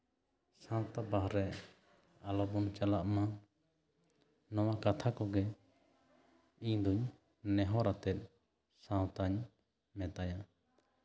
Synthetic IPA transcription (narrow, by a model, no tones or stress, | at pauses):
sãw̃t̪abaɦɾɛ | alɔbɔnt͡ʃalaʔma | nɔwakat̪ʰakɔɡɛ | iɲd̪uɲ | nɛɦɔɾat̪ɛt̪̚ˀ | sãwt̪aɲ | mɛ̃t̪aja